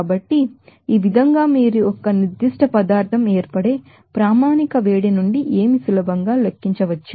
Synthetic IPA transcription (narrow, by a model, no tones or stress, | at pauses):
abɐʈːiːʋid̪ʱɐŋɡaːmiːɾuɔkːɐniɾd̪ːiʂʈɐpɐd̪aːɾt̪ʰɐmeːɾpɐɽeː | pɾaːmaːnikɐʋeːɽinuɳɖiʔeːmisulɐbʱɐŋɡaːlekːiɲt͡ʃɐʋɐt͡ʃːu